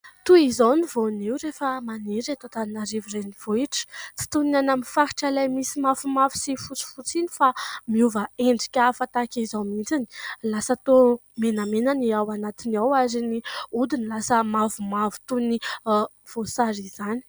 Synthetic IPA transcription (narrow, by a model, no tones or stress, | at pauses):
t̪uizawnivoniwɾefəmaniɾat̪ot̪aninaɾiviɾeniv̥oiʈ͡ʂə̥t͡si̥t̪unanaminfaɾi̥ʈ͡ʂalajmisimafumavi̥sifut͡si̥fut͡sinifamiuvaeɳɖ͡ʐikʲafat̪akʲizawmint͡sini̥lasət̪omenəmenaniawanat̪inawaziniud̪inilasəmavumavu̥t̪uni | v̥osaɾizani̥